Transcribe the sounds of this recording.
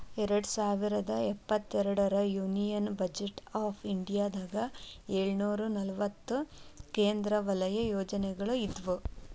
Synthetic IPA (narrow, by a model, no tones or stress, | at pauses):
ɛɾɐɽusaːʋiɾɐd̪ɐɛpːɐt̪ːɛɾɐɽɐɾɐjuːnijɐnbɐd͡ʒeʈaːpʰiɳɖijaːd̪aːɡɐeːɭnuːɾunɐlʋɐt̪ːukeːnd̪ɾɐʋɐlɐjɐjoːd͡ʒɐnɛɡɐɭuid̪ʋu